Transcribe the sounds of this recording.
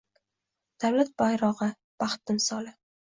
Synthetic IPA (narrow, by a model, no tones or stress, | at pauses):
d̪̥awlat̪̚b̥ajɾɒʁɨ | b̥ɑχt̪ɪmsɒlɪ